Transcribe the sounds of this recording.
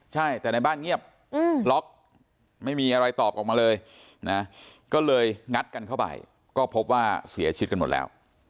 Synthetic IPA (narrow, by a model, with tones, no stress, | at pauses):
t͡ɕʰa˥˩jt̪ɛː˨˩na˧jbaː˥˩nŋi˥˩əp̚ | ɯː˧˩lɔ˦˥k̚ | ma˥˩jmiː˧ʔa˧ɾa˧jt̪ɔː˨˩p̚ʔɔː˨˩k̚maː˧lɤː˧j | na˦˥kɔː˥˩lɤː˧jŋa˦˥t̪̚ka˧nkʰa˥˩wpa̰˨˩j | kɔː˥˩pʰo˦˥p̚waː˥˩si˨˩˦ɐt͡ɕʰi˧˦t̪̚ka˧m˨˩t̪̚lɛ̰ː˦˥w